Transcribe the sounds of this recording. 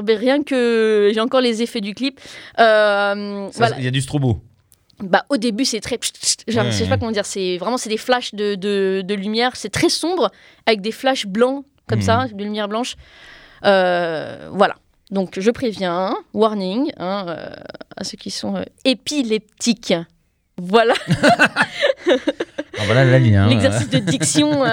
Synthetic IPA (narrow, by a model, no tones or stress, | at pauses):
bɛʁjɛ̃kəʒeɑ̃kɔʁlezefɛd̪yklipømvwaaijad̪ys̬t̪χobo | baʔod̪ebysɛt̪χɛ̥ʒaʁisapakɔmɑ̃d̪iʁsɛvʁɛmɑ̃sɛd̪eflaʃd̪əd̪əd̪əlymjɛːʁsɛt̪χɛsɔ̃bʁ | avɛk̚d̪eflaʃblɑ̃ | kɔmsad̪əlymjɛʁblɑ̃ʃ | ø | vwala̰ | d̪ɔ̃kʒəpχevjɛ̃waʁniŋɛ̃ø̰a̰søkʲisɔ̃ø̰epilɛp̚t̪ik | vwala | vwalalaliɛ̰̃lɛɡzɛsisd̪əd̪iksjɔ̃ø